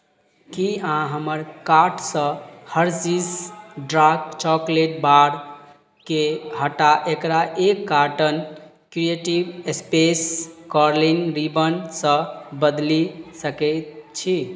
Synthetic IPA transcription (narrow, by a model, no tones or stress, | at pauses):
kiãɦəməɾkaɾʈsə̃həɾsisɖɾakt͡ʃɔkleʈ̚baɾ | kehəʈaʔekɾaʔekːaʈən | kɾieʈibespeskɔɾlinɾibənsə̃bəd̪lisəkɛt̪t͡ʃʰi